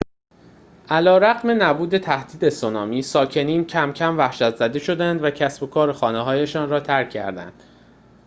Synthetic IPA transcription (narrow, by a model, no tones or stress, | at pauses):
ʔælɒːɾæɣme̞næbuːd̪e̞t̪ʰæhd̪̥iːd̪e̞sonɒːmiːsɒːcʰe̞niːncʰæmcʰæmvæhʃæt̪zæd̪e̞ʃo̞d̪ænd̪væcʰæsbo̞kʰɒːɾexɒːneɦɒːjeʃɒːnrɒːt̪ʰæɾcʰːæ̰ɾd̪æ̰nd̪̥